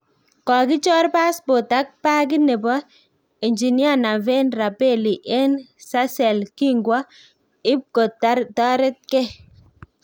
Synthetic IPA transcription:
kɔ˨kɪ˦t͡ʃɔ˦ɾpa˦sbo˨ta˦k̚pa˦kɪ˦nɛ˨bɔ˦ | i˨ɲd͡ʒi˨ni˦a˦˨na˨vɛ˦nɾa˨pe˦˨li˨ʔɛ˦nsa˦sɛ˨lki˦ŋɡwɔ˦ | ɪ˦p̚ko˨tːa˦ɾtɔ˦ɾɛ˦t̚kɛ˦

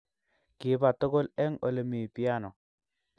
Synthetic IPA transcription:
kɪ˨˦ba˨to˦ɡo˦lɛ˦ŋo˨le˨mi˨pi˦a˦nɔ˨

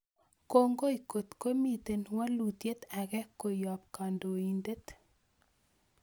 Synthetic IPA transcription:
ko˦ŋɡo˦i˨ko˨t̪ko˦mi˨t̪e˨nwa˦lu˨t̪je˦t̪a˨ɣɛ˦ko˨jɔ˨p̚ka˨ndo˨i˨nde˦t̪

